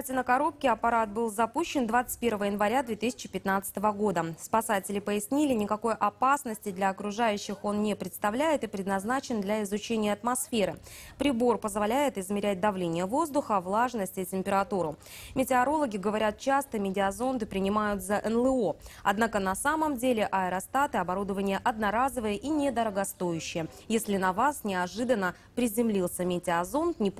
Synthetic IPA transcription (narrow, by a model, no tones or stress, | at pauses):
tʲɪnəkɐɾo̞p̚kʲɪɐpɐɾat̪̚bɨlˠzɐpuɕːɪnd̪vat̪sɨ̥t̚ʲpʲe̞rvəvəjɪnvɐɾʲad̪vʲet̪ɨsʲɪ̥t͡ɕɪ̥pʲɪt̪nat̪sə̥ɨ̥t̪əvəɡo̞d̪əspɐsatʲɪlʲɪpəɪsʲnʲilʲɪnʲɪkɐko̞jʔɐpasnəsʲtʲɪd̪lʲɐːkɾʊʐajʉɕːɪxo̞nnʲɪpɾʲɪt̪st̪ɐvlʲæjɪt̪ɨpɾʲɪd̪nɐznat͡ɕɪnd̪lʲɐɪzʊt͡ɕenʲɪjəɐt̪mɐsfʲeɾɨpɾʲɪbo̞rpəzvalʲæjɪt̪ɪzmʲɪɾʲæt̚ʲd̪ɐvlʲenʲɪjəvo̞zd̪ʊxəvlˠaʐnəsʲtʲɪtʲɪmʲpʲɪɾɐt̪uɾʊmʲɪtʲɪɐɾo̞lˠəɡʲɪɡəvɐɾʲat̪̚t͡ɕast̪əmʲɪdʲɪɐzo̞nd̪ɨpɾʲɪnʲɪmajʊt̪zəʔɛnlˠɨo̞ɐd̪nakənɐsaməmdʲelʲɪʔɐɛɾɐst̪at̪ɨɐbɐɾud̪əvənʲɪjəʔɐd̪nɐɾazəvɨjəʔinʲed̪əɾəɡɐst̪o̞jʉɕːɪjə | jesʲlʲɪnɐvasnʲɪɐʐɨd̪ənːə | pɾʲɪzʲɪmlʲilˠsʲəmʲɪtʲɪɐzo̞nt̪nʲɪ